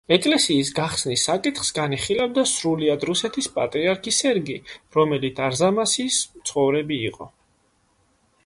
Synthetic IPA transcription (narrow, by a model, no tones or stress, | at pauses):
ɛkʼlɛsiːs̬ɡaχsnisːakʼit̪ʰχsɡaniχilavd̪asɾuliad̪ɾusɛt̪ʰispʼa̰t̪ʼɾiaɾkʰisɛɾɡiɾɔmɛlit̪aɾzamasist̪sʰχɔvɾɛbiːqʼɔ̰